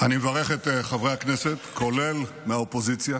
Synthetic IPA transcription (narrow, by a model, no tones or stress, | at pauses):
animevaʁeχet̪χavʁejhakneset̪ko̞le̞l | meaopo̞zit͡sja